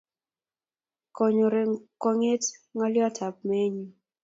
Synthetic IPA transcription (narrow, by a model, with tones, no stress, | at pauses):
ko˨ɲo˨ɾe˨ko˨ŋe˦tŋɔ˦ljɔ˦tʰa˨p̚me˦ɲi˨